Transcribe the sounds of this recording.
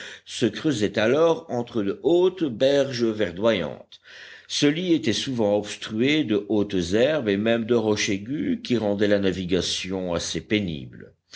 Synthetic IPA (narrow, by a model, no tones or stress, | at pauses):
səkχøzɛt̪alɔʁɑ̃t̪χəd̪əʔot̪bɛʁʒəvɛʁd̪wajɑ̰̃t̪ | səliet̪ɛsuvɑ̃ɔpst̪χyed̪əʔot̪zɛʁbemɛmd̪əʁɔʃeɡʲykʲiʁɑ̃d̪ɛlanaviɡasjɔ̃asepenḭbl